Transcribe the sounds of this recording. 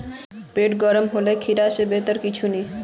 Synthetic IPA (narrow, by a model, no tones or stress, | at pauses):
peʈɡɔɾomɦolekʰiɾaʃebet̪oɾkit͡ɕʰuni